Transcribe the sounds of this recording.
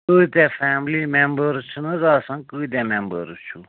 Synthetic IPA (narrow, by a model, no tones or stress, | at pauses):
ɨt̪ʲɛfæːmlimembəɾt͡ʃʰunɨzaːsɐ̃ŋkɨːt̪̬ʲɛmẽmbəɾt͡ʃʰu